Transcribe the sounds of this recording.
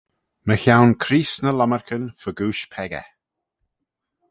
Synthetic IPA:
məçawnkʰɾiːsnəlaməɹkʰənfəɡuːʃpʰɛɡə̰

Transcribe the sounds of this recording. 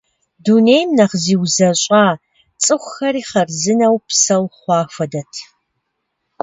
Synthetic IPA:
dunejmnɐχziːwzɐɕʼɑː | t͡sʼɨxʷxɐɾiːχɐrzɨnɐwpsɐwχʷɑːfʷɐdɐtʰ

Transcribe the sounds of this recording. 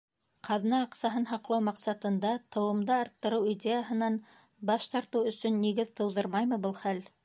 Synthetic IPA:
qʰɑðnɑːqsɑɦɤnɦɑqlˠɑwmɑqsɑt̪ɤ̆nd̪ɑt̪ʰɤ̆wɤ̆md̪ɑːɾt̪ːɤ̆ɾɤwidʲejaɦɤ̆nɑn | bɑʃt̪ɑɾt̪ɤwɵ̆sɵnːiɣɘðt̪ɤ̆wðɤɾmɑjmɤbɤlˠχæl

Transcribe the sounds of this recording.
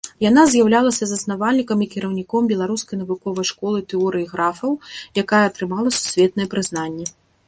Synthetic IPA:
janazʲjawlʲalˠɐsʲɐzɐsnavalʲnʲikɐmikʲiɾɐwnʲikɔmbʲɛlˠaɾuskɐjnɐvukɔvɐjʂkɔlˠɨt̪ɛɔɾɨiɣɾafɐwjakajɛːt̪ɾɨmalˠɐsu̥sʲvʲɛt̪̚nɐjɛpɾɨznanʲːɛ

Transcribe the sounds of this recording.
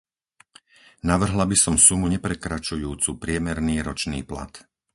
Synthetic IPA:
naʋr̩ɦlabisɔmsumuɲɛpɾɛkɾat͡ʃujuːt͡supɾɪɛmɛɾniːɾɔt͡ʃniːpla̰t̪

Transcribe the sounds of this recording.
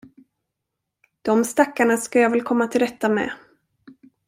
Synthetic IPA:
d̪̥ɔmst̪akːaɳaskajɑːvɛlkʰɔmːat̪ʰɪld̪ɛt̪ːamɛ̰

